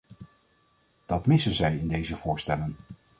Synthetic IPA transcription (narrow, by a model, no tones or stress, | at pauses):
d̥ɑtmɪsənzɛjɪndejzəvʊːɹstɛlən